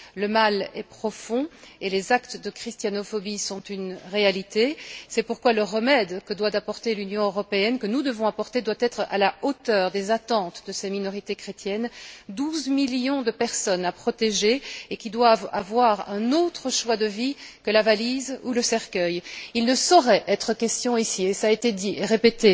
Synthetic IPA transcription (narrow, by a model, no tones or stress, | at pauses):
ləmalɛpχɔfɔ̃elezakt̪d̪əkχist̪janɔfɔbisɔ̃t̪ynʁealit̪esɛpuʁkwaləʁəmɛd̪kəd̪wat̪apɔʁt̪elynjɔ̃øʁɔpeɛnkənud̪əvɔ̃apɔʁt̪ed̪wat̪ɛt̪χa̰laot̪œːʁd̪ezat̪ɑ̃t̪d̪əsɛminɔʁit̪ekχet̪jɛnd̪uzmiljɔ̃d̪əpɛʁsɔnapχɔt̪eʒeekʲid̪wavavwaʁɛ̃not̪χəʃwad̪əvikəlavalizuləsɛʁkʲœjilnəsɔʁɛʔɛt̪χəkʲɛst̪jɔ̃isiesaet̪ed̪iʔeʁepet̪e